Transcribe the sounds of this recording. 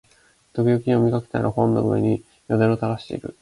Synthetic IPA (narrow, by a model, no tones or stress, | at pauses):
t̪okijokʲĩomʲikake̥t̪aa̰ɾʔɯhõ̞nːoɯ̟̰e̞̰ɲ̟i | jod̪ẽ̞ot̪aɾaɕi̥t̪e̞̰ḭɾɯ̟